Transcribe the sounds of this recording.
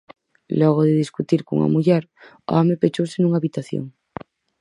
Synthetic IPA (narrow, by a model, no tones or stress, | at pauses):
lɔɣ̞oðeðiskut̪iɾkoŋa̰muʎeɾ | o̰amepet͡ʃowsenuŋaβit̪aθjo̰ŋ